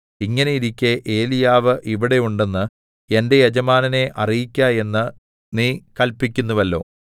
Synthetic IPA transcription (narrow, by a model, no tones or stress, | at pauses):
iŋːɐnejiɾikʲːeʔe̞ːlijaːʋɨʔiʋiɽe̞juɳɖe̞nːɨ | e̞nde̞jɐd͡ʑɐmaːnɐne̞ʔɐrijikʲːaje̞nːɨ | niːkɐlpikʲːunːuʋɐlːo̞ː